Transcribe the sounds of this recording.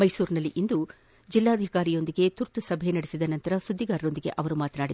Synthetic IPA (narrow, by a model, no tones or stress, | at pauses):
mɐjsuːɾnɐlːiʔind̪u | d͡ʒilːaːd̪ʱikaːɾijo̞nd̪iɡe̞t̪uɾt̪usɐbʱenɐɽesid̪ɐnɐnt̪ɐɾɐsud̪ʱːiɡaːɾɐo̞nd̪iɡe̞̰ʔɐʋɐɾumaːt̪ɐnaːɽi